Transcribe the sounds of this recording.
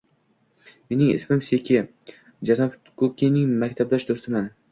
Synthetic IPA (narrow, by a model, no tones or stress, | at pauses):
me̞nɪŋɪ̰smɪmsekʲʰɪ | d͡ʒanɒp | kʰokʲinɪŋmakʲt̪ʰab̚d̪aʃd̪ost̪ʰɪman